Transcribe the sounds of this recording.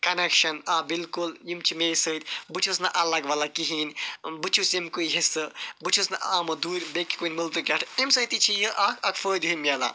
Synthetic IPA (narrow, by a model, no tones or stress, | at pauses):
kɐnekʃɐnabilkuljimt͡ʃʰimeːsət̪ʲbɨt͡ʃʰus̬nɐʔɐlɐɡʋalakiɦiːnʲbɨt͡ʃʰusimkujɦisɨbɨt͡ʃʰusnɐʔaːmɐd̪uːɾʲbekːi̥kunʲmɨlt̪ɨkʲɐʈʰimsət̪it͡ʃʰijəʔakʰɐkfəːd̪ɦimʲɐla̰